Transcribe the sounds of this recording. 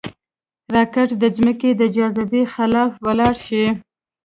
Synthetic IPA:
ɾɑkaʈd̪əzməked̪əd͡ʒɑzab̪ixɪlɑfwəlɑɽʃi

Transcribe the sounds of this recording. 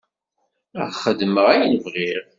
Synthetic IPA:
ə̰ʁχəd̪məʁæjənəvʁɪɾ

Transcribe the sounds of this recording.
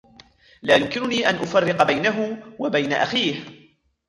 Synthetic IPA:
laːjʊmkɪnʊniːʔanʔʊfarːɪqɑbajnaɦʊwabajnaʔa̰xiːh

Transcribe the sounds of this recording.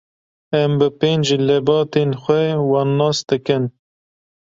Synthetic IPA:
ɛmbɨpeːnd͡ʒlɛbɑːt̪eːnxʷɛwɑnːɑːsd̪ɨkɨn

